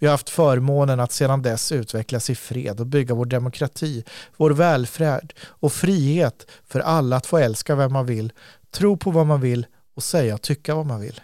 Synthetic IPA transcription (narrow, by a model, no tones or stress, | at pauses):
vɪhaɾhaft̪fœːɾmoːnənat̪seːd̪and̪ɛsʉ̟ːt̪vɛklasɪfɾḛːd̪ɔbʏɡːavoːɖɛmʊkʰɾat̪ʰiːvoːɾvɛːlfɾɛːɖɔfɾiːheːt̪fœɾʔalːaːt̪foːɛlskavɛmːanvɪlː | t̪ʰɾuːpʰɔvamanvɪlː | ɔsɛjːaɔt̪ʰːʏkːavamanvɪ̰lː